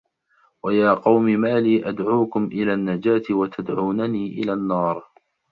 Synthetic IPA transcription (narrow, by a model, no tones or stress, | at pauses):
wajaːqɑwmɪmaːliːʔad̪ʕuːkʊmʔɪlaːnːad͡ʒaːt̪ɪwat̪ʰad̪ʕuːnaniːʔɪ̰laːnːɑːɾˤ